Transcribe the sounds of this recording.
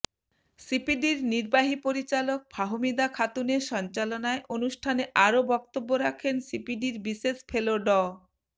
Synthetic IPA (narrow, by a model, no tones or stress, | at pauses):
sipiɖiɾniɾbaɦipoɾit͡ɕalok̚bʱaɦomid̪akʰat̪uneʃɔnt͡ɕalonaeʔonuʃʈʰaneʔaɾobɔk̚t̪obːoɾakʰensipiɖiɾbisesfʰeloɖɔ